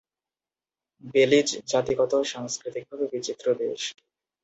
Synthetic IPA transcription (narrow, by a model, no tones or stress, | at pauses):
belid͡ʑd͡ʑat̪iɡɔt̪oʃaŋskɾit̪ik̚bʱabebit͡ɕit̪ːɾod̪eʃ